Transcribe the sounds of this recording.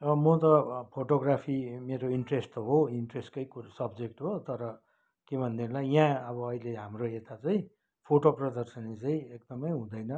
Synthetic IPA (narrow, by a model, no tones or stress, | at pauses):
ʌmʌt̪ʌpʰoʈoɡrapʰimeɾoiɳʈresʈɦoiɳʈresʈkʌjkusʌbd͡zek̚ʈɦot̪ʌɾʌ | kebʱʌnd̪erlajjãʌβʌːileɦamroet̪at͡saĩ | pʰoʈoprʌd̪ʌrsʌnit͡saĩek̚d̪ʌmʌjɦũd̪ʌjnʌ